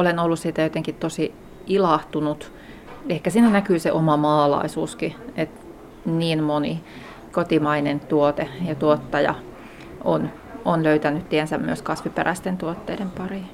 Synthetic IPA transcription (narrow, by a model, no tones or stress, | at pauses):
olenolːussiːt̪æjot̪eŋkit̪t̪osi | ilɑht̪unut̪ | ehkæsiːnænækyːseʔomɑmɑːlɑ̰isuːskiet̪ | niːnmoni | kot̪imɑinent̪uot̪ejɑt̪uot̪ːɑjɑ̰ | ʔon | onløyt̪ænyt̪t̪iensæmmyøskɑsʋipḛræst̪ent̪uot̪ːḛidempɑri